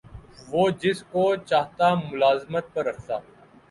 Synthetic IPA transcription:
ʋoːd͡ʒɪskot͡ʃaːɦt̪amʊlaːzmət̪̚pɐɾːɐkʰt̪aː

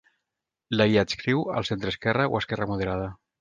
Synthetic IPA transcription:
laɣiat̪skɾiwə̰lˠsent̪ɾəskɛrəo̰əskɛrəmuð̞əɾaðə

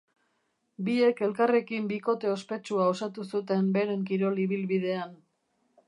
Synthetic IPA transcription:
bie̞ke̞lkare̞kimbiko̞t̪e̞o̞spe̞t͡ʃuao̞sat̪usut̪e̞mbe̞ɾe̞ŋkiɾo̞liβ̞ilβið̞e̞an

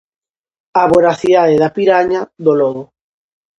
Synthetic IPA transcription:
aβoɾaθiðaðeðapiɾaɲaðolɔðʊ

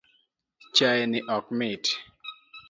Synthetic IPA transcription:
t͡ʃajɛnɪʔɔk̚mɪt

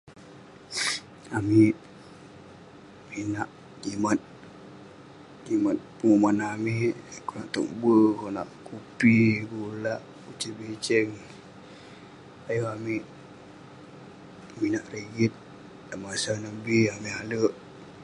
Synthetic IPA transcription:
amiʔ | minaʔ | kimat̪̚ | kimat̪̚pəŋumanamiʔkonaʔt̪o̰ʔ̚bəkonaʔkupiɡulaʔ | ut͡ʃibit͡ʃɛŋ | ajoamiʔ | minaʔriɡit̪̚ | daʔmasanəbiamialəʔ

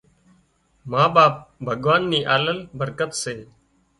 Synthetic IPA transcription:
mãːɓaːp̚bʱəɠʋaːnːiːʔaːləlbəɾkət̪seː

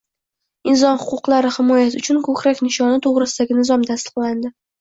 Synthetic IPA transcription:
ɪnz̬ɒnhʊqʊqlaɾɪhɪmɒjasɪʊt͡ʃʰʊnkʰɵkʰʲɾakʲnɪʃɒnɪt̪ʰoʁɾɪsɪd̪aɡʲɪnɪzɒmt̪ʰast̪ɨ̥qlˠand̪ɪ

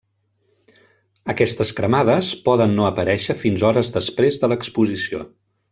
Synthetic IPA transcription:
əkɛst̪əskɾəmað̞əspɔðənːoəpəɾɛʃəfinzɔɾəzðəspɾezðələkspuzisio̰

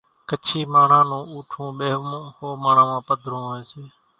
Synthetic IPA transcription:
kət͡ʃʰiːmaːɳãːnũːuːʈʰũːɓeːhoːmaːɳ̤ãːmãːpəd̪ʱɾũːɦoeːseː

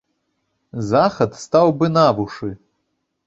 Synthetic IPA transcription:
zaxɐt̪st̪awbɨnavuʂɨ

